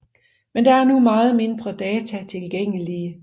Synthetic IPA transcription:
mend̥ɑ̈æɐnumɑ̈ːð̞̩ˠme̝nd̥ʁɐd̥ɛːt͡sʰæt͡sʰe̝lɡ̥eŋ̰əliə

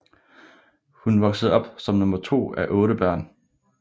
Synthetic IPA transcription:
hunʋɒ̽ɡ̥səð̞̩ˠɒ̽b̥sɒ̽mnɔ̽mɐt͡sʰo̝̰ːæʔɔ̽ːɾəb̥ɶɐ̰n

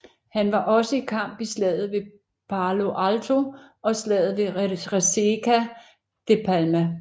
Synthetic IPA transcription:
hænʋɑ̈ʔɒ̽səikʰɑ̈m̰b̥islɛ̰ð̰ˠð̩ˠʋe̝ | pʰɑ̈ːlo̝ʔælt͡sʰo̝ɒ̽slɛːð̩ˠʋe̝ʁesekʰæ | d̥epʰælmæ

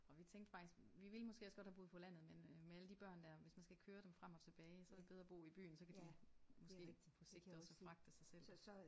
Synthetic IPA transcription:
ɒ̽ʋit͡sʰeŋ̰ɡd̥fɑ̈ɡ̥isɡ̥ʋiʋe̝lmɒsɡ̥e̝̰ːɒsɡ̥ɒ̽d̥hæbuːðˠpʰɒ̽læn̰ð̞̩ˠmenmeæləd̥ib̥ɶɐ̰nd̥æɐʋe̝smænsɡ̥ækʰøːɐɾ̥emfʁam̰ɒ̽t͡sʰe̝b̥ɛːɪsɒdeb̥eð̞ˠʁɐb̥o̝̰ːib̥y̰ːn̩sɒ̽kʰæd̥imɒ̽sɡ̥e̝̰ː | pʰɒseɡ̥d̥i̥ɒ̽səfʁɑ̈ɡ̥̚d̥əsɑ̈ɪsel̰

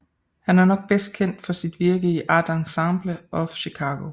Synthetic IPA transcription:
hænæɐnɒ̽ɡ̥̚b̥esd̥̚kʰen̰d̥fɒ̽sid̥ʋiɐɡ̥əiʔɑd̥ɑ̈nsɑmb̥ləʔɒ̽ɕikʰɑ̈ːɡ̥o̝

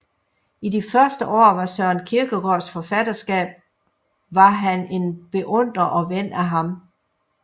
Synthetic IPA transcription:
idifɶɐsd̥əʔɒ̰ːʋɑ̈sɶɐ̰nkʰiɐɡ̥əɡ̥ɒsfɒ̽fædɐsɡ̥ɛ̰ːb̥̚ | ʋɑ̈ɦæne̝nb̥e̝ʔɔ̽n̰d̥ʁɐʔɒ̽ʋen̰æɦɑ̈m

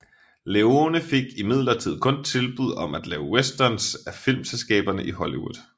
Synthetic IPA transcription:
le̝o̝nəfe̝ɡ̥imið̞̰ˠlɐt͡sʰið̞̰ˠkʰɔ̽nt͡sʰe̝lb̥uð̞̰ˠɒ̽mæd̥lɛːʊwesd̥ɐnsæfil̰mselsɡ̥ɛ̰ːb̥ɐnəʔihɒliwṵðˠ

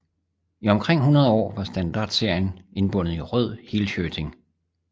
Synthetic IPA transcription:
iɒ̽mkʰʁeŋ̰ɦunɐð̞ˠɒ̰ːʋɑ̈sd̥ænd̥ɑ̈ːd̥se̝ɐ̰jəne̝nb̥ɔ̽n̰ð̩ˠiʁœð̞̰ˠhilɕøːt͡sʰe̝ŋ

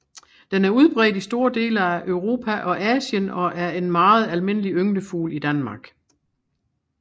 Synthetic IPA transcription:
d̥enæɐuð̞ˠb̥ʁɛ̰ːdisd̥o̝ːɐd̥e̝̰ːləæʔøʊʁo̝ːpʰæʔɒ̽ʔɛːɕjənɒ̽ʔæɐe̝nmɑ̈ːð̞̩ˠælme̝n̰əliøŋd̥əfṵːlid̥ænmɑ̈ːɡ̥

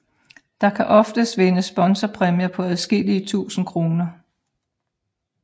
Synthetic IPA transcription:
d̥ɑ̈kʰæʔɒ̽fd̥əsʋenəsb̥ɒ̽nsɐpʰʁɛmjɐpʰɒ̽æð̞ˠsɡ̥e̝l̰iət͡sʰṵːsn̩kʰʁo̝ːnɐ

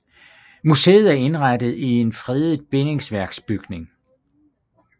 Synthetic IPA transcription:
muse̝̰ːð̞̩ˠæɐe̝nʁɑd̥əð̩ˠie̝nfʁɛðˠib̥e̝ne̝ŋsʋæɐɡ̥sb̥yɡ̥ne̝ŋ

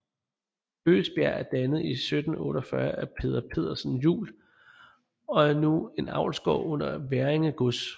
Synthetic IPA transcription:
ø̰ːsb̥jæɐ̰æɐd̥ænəð̩ˠisød̥n̩ɔ̰ːɾɒfɶɐʔæpʰe̝ːðˠɐpʰe̝ð̞̰ˠɐsn̩jṵːl | ɒ̽æɐnue̝nɑ̈ʊ̰lsɡ̥ɒ̰ɔn̰ɐʋæɐeŋəɡ̥ɔs

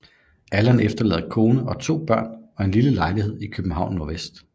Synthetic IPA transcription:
ælænefd̥ɐlɛ̰ːð̩ˠkʰo̝ːnəʔɒ̽t͡sʰo̝̰ːb̥ɶɐ̰nɒ̽e̝nliləlɑ̈ɪlihe̝ð̞̰ˠikʰøb̥m̩ɦɑ̈ʊnːɒɐʋesd̥

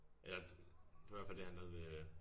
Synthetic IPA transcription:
ʔelɐ̥e̝ʋɐæɐfæl̰d̥ehænoð̞̩ˠʋe

